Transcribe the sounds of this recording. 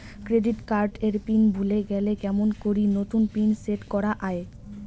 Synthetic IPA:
kɾeɖiʈkaɾɖeɾpinbʱuleɡɛlekɛmonkoɾinot̪unpinseʈkɔɾaʔae

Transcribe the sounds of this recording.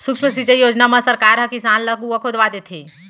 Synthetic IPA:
sukʃməsit͡ʃejoːd͡ʒnaməsəɾkaɾɦɐ̃kisanləɡuəkʰod̪ʋad̪et̪ʰi

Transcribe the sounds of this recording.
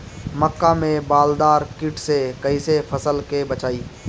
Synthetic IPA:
məkːamẽbaːld̪aːɾkɪʈsekɐisepʰəsəlkebət͡ʃaːiː

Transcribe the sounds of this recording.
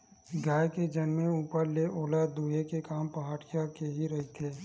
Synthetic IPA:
ɡaːjked͡ʒɐnmẽuːpəɾleʔoːlaːd̪uːɦekekaːmpɐɦaːʈɪjakeɦiɾɐɦit̪ʰeː

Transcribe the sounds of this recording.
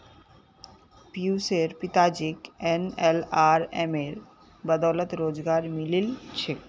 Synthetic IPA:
piuseɾpit̪ad͡ʑikenelaɾḛmeɾ | bad̪awlot̪ɾod͡ʑɡaɾmililt͡ɕʰe

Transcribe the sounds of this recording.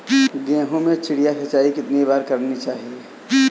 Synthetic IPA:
ɡẽːɦõmẽt͡ʃɪɽijasʰɐt͡ʃaːikɪt̪niβaːɾkəɾnit͡ʃaːɦie

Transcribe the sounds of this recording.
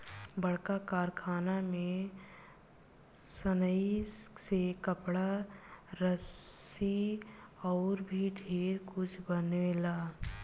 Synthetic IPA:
bəɽ̤kakaːɾkʰaːnamẽ | sənəisekəpɽa | ɾəsi | ɔːɾbʱiɖʱeːɾkʊt͡ʃʰbənelaː

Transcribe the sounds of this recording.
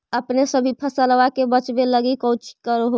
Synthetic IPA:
əpnesəbʱipʰəsələʋakebət͡ʃbeləɡikəwt͡ʃi̥kəɾɦo

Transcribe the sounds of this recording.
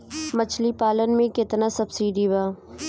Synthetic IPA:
mət͡ʃʰlipaːlənmẽkɪt̪nasɐbsiːɖibaː

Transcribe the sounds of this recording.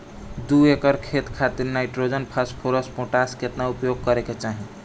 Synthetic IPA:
d̪uekəɾkʰet̪kʰat̪iɾnajʈɾod͡ʒənpʰaspʰoɾəspoʈaskeet̪naupjoɡ̚kəɾeket͡ʃaɦi

